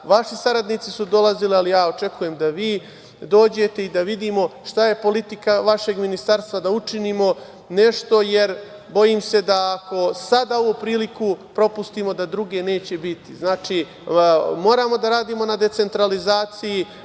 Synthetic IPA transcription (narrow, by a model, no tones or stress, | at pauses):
ʋaʃisaɾad̪nit̪sisud̪o̞lˠazilialijaːo̞t͡ʃe̞kuje̞md̪aʋiː | d̪o̞ːd͡ʑe̞t̪e̞id̪aʋid̪iːmo̞ʃt̪aje̞po̞lit̪ikaʋaʃe̞ɡminist̪aɾst̪ʋad̪aut͡ʂiniːmo̞ | ne̞ʃt̪o̞je̞ɾ | bo̞jiːmse̞d̪aːko̞sad̪aoʋopɾiːlikupɾo̞pust̪iːmo̞d̪ad̪ɾuɡe̞ne̞ːt͡ɕe̞bit̪iznaːt͡ʃiː | mo̞ːɾaːmo̞d̪aɾaːd̪iːmonad̪e̞t̪se̞nt̪ɾalizaːt̪siji